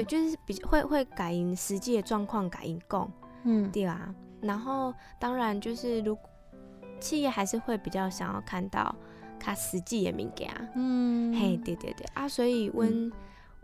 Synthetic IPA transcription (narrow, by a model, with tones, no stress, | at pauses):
t̪e˥˧t͡ɕjo˥˧ʊʂɻ̩˥˩pi˨˩xwe˥˧ɪxwe˥˩ɪka˨˩ɪi˧˥nʂɻ̩˧˦t͡ɕi˥˩d̪ə˩ʈ͡ʂwɑ˥˧ŋkʰwɑ˥˩ŋka˨˩ɪʔi˧˥nkɔ̰˥˨ŋ̩˩t̪we˥˩ɪa̰˨˩ | na˧˦˥nxo˥˩ʊt̪ɑ˥ŋɻa˧˦nt͡ɕjo˥˧ʊʂɻ̩˥˩ɻu˧˥k | t͡ɕʰi˥˧jɛ˥˩xa˧˥ɪʂɻ̩˥˧xwe˥˩ɪpi˨˩t͡ɕjɑ˥˩ʊɕjɑ˨˩ŋjɑ̰˥˧ʊkʰa˥˧nt̪ɑ̰˥˩ʊ | t̪ʰa˥ʂɻ̩˧˦t͡ɕi˥˩ɛ̰˨˩mḭ˧˥ŋkja̰˨˧˦he˥˩t̪we˥˩ɪt̪wḛ˥˩t̪wḛ˥˩ʔa˥˩swɔ˧˥i˨˩wə˦n